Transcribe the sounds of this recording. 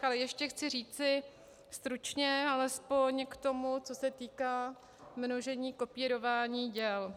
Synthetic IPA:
alɛjɛʃcɛxt͡sɪr̝iːt͡sɪ | st̪ɾut͡ʃɲɛalɛspo̞ɲkt̪o̞mut͡so̞sɛt̪iːkaː | mno̞ʒɛɲiːko̞piːɾo̞vaːɲiːɟɛl

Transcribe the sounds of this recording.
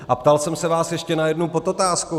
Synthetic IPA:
ʔapt̪alsɛmsɛvaːsjɛʃcɛnajɛdnowpo̞t̪ot̪aːsko

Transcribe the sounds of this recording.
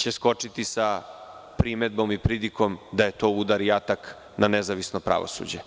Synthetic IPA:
t͡ɕesko̞t͡ʂit̪isapɾimed̪̚bo̞mipɾid̪iko̞md̪aje̞t̪o̞ːud̪aɾijat̪ak | nanezaʋisnopɾa̰ʋo̰sṵd͡ʑe

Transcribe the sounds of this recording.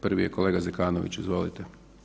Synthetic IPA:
pr̩ʋijekoleːɡazekaːno̰ʋḭt͡ɕizʋo̞ːlit̪e

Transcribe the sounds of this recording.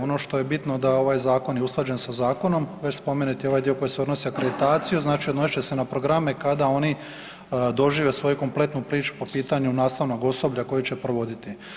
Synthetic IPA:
o̞noʃt̪o̞je̞bit̪no̞d̪ao̞ʋaːjzaːko̞njeuslˠad͡ʑe̞nsazaːko̞no̞mʋet͡ʃspo̞menut̪io̞ʋajd̪ioko̞jeseo̞d̪nosiakɾed̪it̪aːt̪sijuznaːt͡ʃiod̪nosi̥t͡ʃe̞se̞napɾo̞ɡɾame̞kad̪ao̞ni | d̪o̞ʒiːʋe̞sʋo̞juko̞mple̞t̪nupɾiːt͡ʃu̥po̞piːt̪aɲunaːst̪aʋno̞ɡo̞so̞bʎako̞jit͡ɕe̞pɾoʋo̞d̪it̪i

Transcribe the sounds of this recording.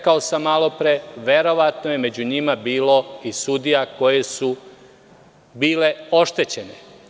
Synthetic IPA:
kaosamːalˠo̞pɾeʋe̞ɾo̞ʋat̪noje̞me̞d͡ʑuɲimabiːlo̞isud̪ijako̞je̞su | biːle̞o̞ʃt̪e̞t͡ɕe̞ne

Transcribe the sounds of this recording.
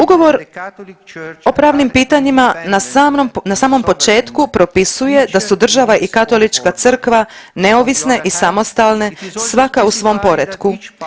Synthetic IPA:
uɡo̞ʋo̞ɾ | o̞pɾaːʋnimpiːt̪aɲimanasanasaːmo̞mpo̞t͡ʃe̞ːt̪kupɾo̞pisuje̞d̪asud̪r̩ʒaʋaʔikat̪o̞lit͡ʃkat̪sɨr̩kʋane̞oʋisne̞ʔisamo̞st̪alˠne̞sʋakausʋo̞mpo̞ɾed̪ku

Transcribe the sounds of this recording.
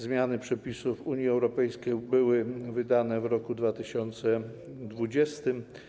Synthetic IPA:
zmʲjanɘpʂɛpʲisufuɲjiɛwɾɔpɛjskʲejbɘwɘvɘd̪anɛvɾɔkud̪vat̪ɘɕɔnt̪sɛ | d̪vud͡ʑɛst̪ɘm

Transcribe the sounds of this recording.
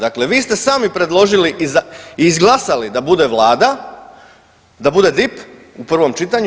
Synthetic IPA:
d̪akle̞ʋiːst̪e̞saːmipɾe̞d̪lˠo̞ʒiliʔizaiːzɡlˠasalid̪abud̪e̞ʋlˠaːd̪a | d̪abud̪e̞d̪ip | upr̩ʋo̞mt͡ʃit̪aɲ

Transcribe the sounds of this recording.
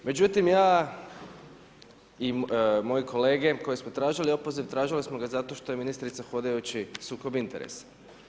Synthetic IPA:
me̞d͡ʑut̪imjaː | imo̞jikʰo̞le̞ːɡe̞ko̞jismot̪ɾaːʒilio̞po̞ziʋt̪ɾaːʒilismoɡazat̪o̞ʃt̪o̞jeminist̪ɾit̪saxo̞d̪ejut͡ɕisuːko̞bint̪eɾḛs

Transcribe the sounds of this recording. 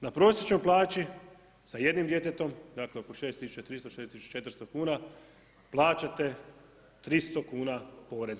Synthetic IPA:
napɾo̞ːsʲje̞t͡ʃnojplˠaːt͡ɕi | saje̞d̪nimd̪je̞t̪et̪o̞md̪aːkleo̞ko̞ʃe̞ːst̪ːisu̥t͡ʃat̪ɾist̪oʃesisu̥t͡ʃḁt͡ʃe̞t̪ɾ̩st̪o̞kuːna | plˠaːt͡ɕat̪e̞ | t̪ɾist̪o̞kuːnapo̞ːɾe̞za

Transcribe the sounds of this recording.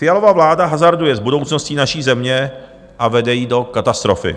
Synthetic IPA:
fɪjalo̞vavlaːdaɦazaɾdujɛzbudo̞wt͡snosciːnaʃiːzɛmɲɛ | ʔavɛdɛjiːdo̞kat̪ast̪ɾo̞̰fɪ̰

